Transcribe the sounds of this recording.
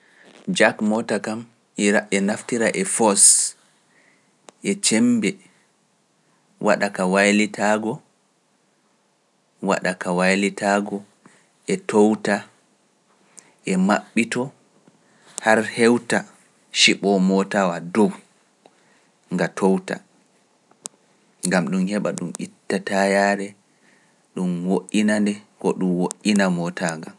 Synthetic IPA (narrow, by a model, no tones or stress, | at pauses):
d͡ʒakmɔtakam | iɾaʔɛnaftiɾaʔɛfɔs | ʔɛt͡ʃɛmbɛ | wa̰ɗakawajlitʰaɡɔ | wa̰ɗakawajlitʰaɡɔ | ʔɛtowta | ʔɛmaɓːitɔ | haɾhɛwta | ʃiɓɔmɔtawadow | ŋɡatʰowta̰ | ŋɡamɗumhɛɓa̰ɗumʔitːatajaːɾɛ | ɗumwoʔːinandɛkɔɗumwoʔinamɔtʰaŋɡa